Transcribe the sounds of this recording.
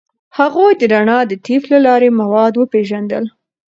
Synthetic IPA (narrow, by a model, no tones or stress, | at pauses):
haɣojd̪əɾaɳɑd̪ət̪iflalɑɾemawɑd̪wəpeʒand̪ə̰l